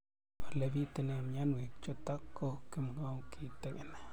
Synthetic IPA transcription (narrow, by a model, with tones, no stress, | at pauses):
pa˨ɾle˧bi˦t̪e˧ne˧mja˦nwe˨kt͡ʃo˦t̪a˦kkːo˦ke˦mɡa˦wkʰi˧t̪e˦ɡe˨na˨